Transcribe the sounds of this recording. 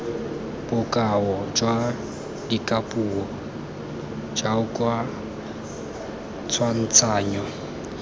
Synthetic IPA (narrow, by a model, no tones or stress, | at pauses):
b̥ʊkʼaɔd͡ʒwa | dikʼapʼuɔ | d͡ʒaʊkʼwa | t͡sʰwan̩t͡sʰaːɲɔ